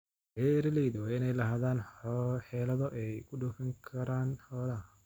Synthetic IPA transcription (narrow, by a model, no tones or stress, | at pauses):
bɛɾɐlɛjðɔwɪnɛjlɐɦaːðaːnħɛːlɐðɔʔɛjkʰʊɖʊfɐŋkʰɐɾaːnħɔːlɐ